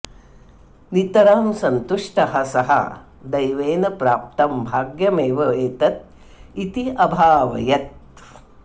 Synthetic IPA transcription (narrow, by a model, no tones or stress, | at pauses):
nit̪ɐɾaːmsɐnt̪uʂʈɐɦɐsɐɦɐ̰ | d̪ɐjʋeːnɐpɾaːp̚t̪ɐmbʱaːɡjɐmeːʋɐeːt̪ɐt̪̚ | it̪iɐbʱaːʋɐ̰jɐt̪̚